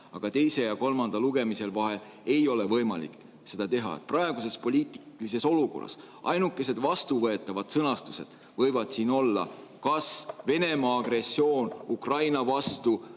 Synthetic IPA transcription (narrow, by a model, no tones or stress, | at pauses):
ɑɡ̥ɑt̪e̞jse̞jɑko̞lmɑnd̪̥ɑluɡ̥e̞mise̞lvɑɦe̞l | e̞jo̞levɤjmɑlḭkˑ | se̞d̪ɑt̪e̞ɦɑ̰ḛt̪̚prɑe̞ɡ̥use̞spo̞lʲiːt̪ˑilis̬e̞so̞luko̞̰rɑ̰s | ɑ̰jnukːˑe̞se̞d̪̥vɑst̪uvɤet̪ːˑɑvɑd̪̥sɤnɑst̪u̥se̞d̪̥ | vɤ̞jvɑd̪̥siːno̞lːɑ̰kɑsve̞ne̞mɑːɡre̞sːio̞ːnukrɑjnɑvɑst̪u